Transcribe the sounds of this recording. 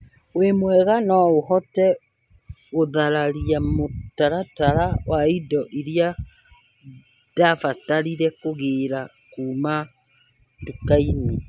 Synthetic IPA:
wemwɛɣanɔohɔtɛ | oðaɾaɾiamotaɾataɾawaidɔʔiɾja | d̥afataɾiɾɛkoɣeːɾa | kuːma | dukaimi

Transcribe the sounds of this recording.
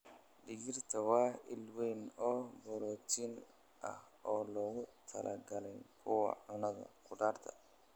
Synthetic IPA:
ɖɪɣɪrt̪ʰɐwɑːɪlwɛjnɔːbɔɾɔːt̪ʰin | ʔɐ̰h | ɔːlɔːɣʊt̪ʰɐlɐ̰ɡɐlɛjkʰʊwɐ̰ʕʊnɐðɐ̰kʰʊɖaːrt̪ʰɐ̥̰

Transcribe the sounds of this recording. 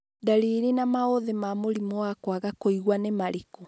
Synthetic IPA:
daɾiːɾinamaoðemamoɾimoakwaɣakoiɣwanemaɾiko

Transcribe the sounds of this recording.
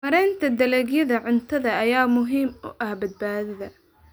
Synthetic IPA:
mɐɾɛjnt̪ʰɐd̪ɐlɛːɡjɐðɐʕʊnt̪ʰɐðɐːjaːmʊɦiːmʊ̰ʔɐhbɐd̪̚baːðɪðɐ

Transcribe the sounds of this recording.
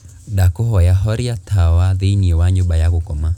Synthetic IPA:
dakɔɦɔjaɦɔɾiatʰawaðeiniewaɲoɓajaɣokɔma

